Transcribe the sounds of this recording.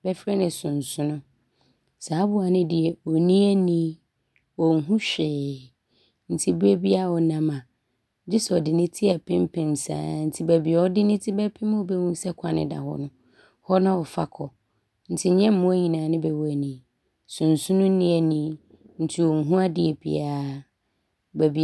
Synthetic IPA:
bɛ˦fɾɛ˦nɪ̃˨sʊ̃˨n˨sʊ̃˦nʊ̃˦ | saː˨˦bʊ˦a˨nɪ̃˦dɪ˨ɛ˨ɔ˨nĩ˦ɛ˦nĩ˦ | wɔ˨ŋ̩˦ɦũ˦ɕᶣɪː˨ | n̩˨tʰi˦bu˦ɛ˦bi˦a˦˨wɔ˨nã˨mã˨ | d͡ʑɪ˦sɛ˨ɔ˨dɪ˨nɪ̃˦tʰɪ˦ɛ˨pʰɪ̃˦m˦pʰɪ̃˨n˨sã̰ː˦n̩˨tʰɪ˦bɛ˨bɪ˨ɛ˨ɔ˦dɪ˦nɪ̃˦tʰɪ˦bɛ˦pʰɪ̃˦m˦ɔ˨bɛ˦mũ˦sɛ˦kʷʰa˨nɪ̰̃˦da̰˨hɔ̰˨nʊ̃˦ | hɔ˦nã˦ɔ˨fa̰˦kʰɔ˨ | n̩˨tʰɪ˦ɲɛ̃˦m̩˦mʊ̃˦æ˦ɲĩ˨nãː˨nɪ̃˦bɛ˨wɛ˨nĩ˨ | sʊ̃˨n̩˨sʊ̃˦nʊ̃˦nĩ˦ɛ˦nĩ˦ | n̩˦tʰi˦ɔ˨ŋ̩˨ɦũ˦a˦dɪ˦ɛ˨bʰḭ˨aː˦ | bæ˨bi˨

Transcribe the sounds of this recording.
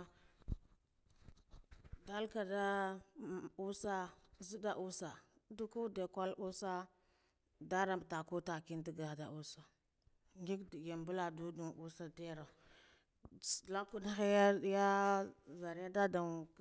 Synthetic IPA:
da˦lka˨da˦ | u˦sa˦zu˦da˦ʔu˦sa˨ | du˦ku˦de˨kʷa˦lu˦sa˦ | da˦ɾa˨m˨ta˨ku˦ta˨ki˦ndi˦ɡa˨da˨ʔu˦sa˨ | ŋɡi˦kja˨mbu˦la˨du˦du˨ŋu˦sa˦de˦ɾa˨ | la˦ku˦da˦xa˦ja˦ja˦za˨ɾja˦da˦da˨

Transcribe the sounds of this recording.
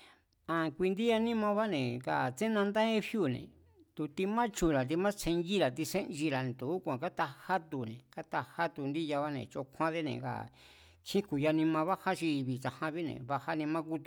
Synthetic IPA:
ã˧kʷi˧nd̪i˦ja˧nĩ˦mã˧βa˦nẽ˨ka̰˨t͡sẽ˦nã˧nd̪ã˦ẽ˦fju˦˨nḛ̃˨ | t̪u˧t̪i˧mã˦t͡ʃu˧˨ɾa˨t̪̬i˧mã˦t͡sʰẽ˧nɡi˦ɾa˨t̪i˧sẽ˦ʔnʒi˧ɾa˨ñ˨t̪u˨˦kʷã˨ka˦t̪a˧ha˦t̪u˧˨nẽ˨ka˦t̪a˧ha˦t̪u˧nd̪i˦ja˧βa˦nḛ̃˧˨t͡ʃo˧kʰʷã˦ðe˦nḛ̃˨ka̰˨ | kʰĩ˦ku˧˨ja˧nĩ˧mã˧βa˦ha˦t͡ʃi˧βi˨t͡ʃa˧hã˧βi˦nḛ̃˧˨βa˧ha˦nẽ˧mã˦ku˦t̪u̥˧

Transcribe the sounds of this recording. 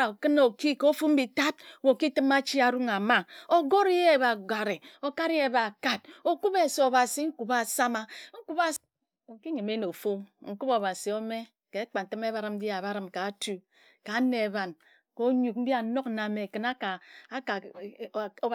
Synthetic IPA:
a˨kɨ˦no˨ki˦ko˦o˦fu˦m̩˦bi˨ta˦t̚wo˨ki˦tɨ˦ma˦t͡ʃi˦a˨ɾu˦ŋa˨ma˦o˦ɡo˦ɾje˦˨βa˨ɡa˨ɾe˨o˨ka˦ɾje˦˨ba˨ka˦t̚o˨ku˦pe˨so˨o˨βa˨si˦ŋ̩˦ku˨ba˦˨sa˦ma˦ŋ̩˦ku˦ba˦ | o˨ki˦ɲi˨me˦no˨fo˦ŋ̩˨˦ku˦bo˨βa˨si˨o˦me˦ | ke˨˦k͡pa˨n̩˨tɨ˦m˦e˦βa˦ɾɨ˨m̩˦bi˦a˨βa˦ɾɨ˨mka˨˦tu˨ | ka˨˦ne˨e˨ba˨n | ko˦ɲu˨k̚m̩˦bi˦a˨˦no˦kna˨me˨kɨ˨na˦ka˨˦ka˨˦

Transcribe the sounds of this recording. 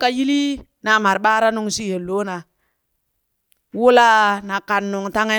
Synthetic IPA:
ka˦ji˦li˦ | na˨ma˨ɾɓa˦ɾa˦nu˦ŋsi˦he˨lo˦na˨ | wu˦la˦na˨ka˨nːu˨ŋta˦ŋe˦

